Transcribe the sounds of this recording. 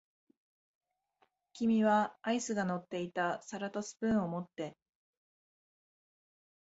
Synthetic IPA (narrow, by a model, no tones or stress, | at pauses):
kʲimʲiβaːisɨɡano̞t̪ːe̞it̪asaɾat̪o̞sɨ̥pɯ̟̃ɰ̃o̞mo̞t̪ːe̞